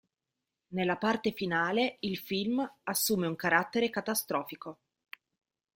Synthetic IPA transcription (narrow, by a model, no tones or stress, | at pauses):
nelːapart̪efinaːleilfilmasːuːmeuŋkaɾat̪ːeɾekat̪ast̪ɾɔːfiko